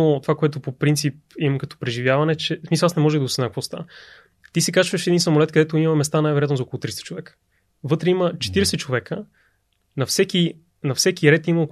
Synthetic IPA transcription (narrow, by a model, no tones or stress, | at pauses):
ot̪ovakoɛt̪̬opopɾint̪sip̚imkɐt̪ɔ̥pɾɛʒivjavɐnɛt͡ʃɛsmisəlˠasnɛmɔʒɛd̪ɡosɛnakvost̪a̰ | t̪isɛkat͡ʃvəʃɛd̪insɐmolɛt̪kəd̪ɛt̪oimɐmɛst̪anajvɛɾojat̪nzɔkolˠot̪ɾist̪ə̥t͡ʃovɛkə̥ | vɤt̪ɾɛimət͡ʃɛ̥t̪iɾɛsɛt͡ʃovɛkə | nɐfsɛk̟i | nɐfsɛkʲiɾɛt̪iməok